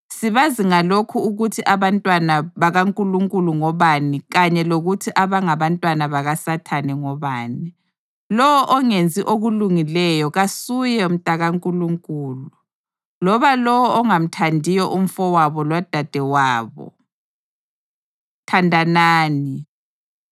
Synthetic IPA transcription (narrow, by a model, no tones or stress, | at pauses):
siβaziŋalokʰuːɣutʰiʔaβantʼwanaβaɣaŋkʼuluŋkʼuluŋɔβaniɣaɲɛloɣutʰiʔaβaŋaβantʼwanaβaɣasatʰanɛŋɔβaːni | lɔwɔʔɔŋend͡zʱiʔoɣuluŋilɛjɔɣasujɛum̩tʼaɣaŋkʼuluŋkʼuːlu | lɔβalɔwɔʔɔŋam̩tʰandʱijɔʔum̩fɔwaβɔlwad̥ʱad̥ʱɛwaːβɔ̰ | tʰandʱanaːni